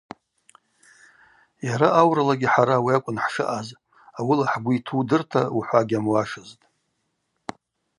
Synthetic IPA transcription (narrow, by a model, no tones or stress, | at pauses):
jaɾaːwralaɡʲɪħaɾawiakʷʼʊnħʂɨ̰ʔaz | awilaħɡʷʊitʰudɨrtʰauħʷaɡʲamwaʂɨztʼ